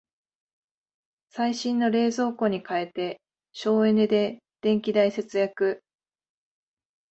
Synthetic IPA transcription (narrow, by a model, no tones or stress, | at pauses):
saiɕĩnːo̞ɾe̞ːzo̞ːko̞ɲ̟ikae̞t̪e̞ | ɕo̞ːe̞ned̪e̞ | d̪̥ẽ̞ŋkʲid̪aise̞t͡sɨjakɯ̟